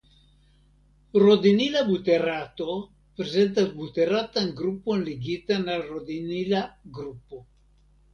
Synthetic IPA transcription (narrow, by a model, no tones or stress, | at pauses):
rod̪inilabut̪erat̪o | pɾezent̪abut̪erat̪aŋɡɾupːoenleɡit̪anarod̪inilaɡɾupːo